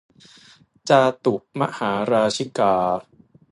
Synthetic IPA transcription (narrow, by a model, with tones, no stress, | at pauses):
t͡ɕaː˧t̪u˨˩p̚ma̰˦˥haː˩˦ɾaː˧t͡ɕʰi˦˥˩kaː˧